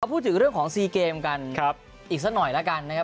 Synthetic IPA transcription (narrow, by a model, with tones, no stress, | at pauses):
ɾa˧pʰuː˥˩t̪̚ʰɯ˩˦ŋɾɯ˥˩əŋkʰɔː˩˦ŋsiː˧keː˧mka˧nʰa˦˥p̚ | ʔiː˨˩k̚sa˦˥nɔ˨˩jla˦˥ka˧nːa˦˥kʰa˦˥